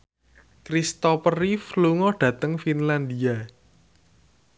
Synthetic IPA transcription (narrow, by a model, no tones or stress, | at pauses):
kɾist̪ɔpərifluŋɔɖ̥ä̤t̪əŋfinland̪ia